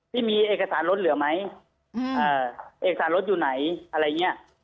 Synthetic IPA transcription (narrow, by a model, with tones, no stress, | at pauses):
t̪ʰiː˥˩miː˧ʔeː˨˩ka˧saː˩˦nlo˦˥t̪̚lɯ˨˩˦ɐma˦˥j | ʔɤː˧˩ʔeː˧˨˩ksaː˩˦lo˦˥t̪̚juː˨˩na˩˦jʔa˧ɾa˧ja˨˩ŋːi˦˥˩ɐ˨˩ʔ